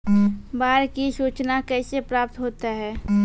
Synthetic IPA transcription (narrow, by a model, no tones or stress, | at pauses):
baːɾkisuːt͡ʃnakɛːsepɾaːp̚t̪ɦoːt̪aɦɛː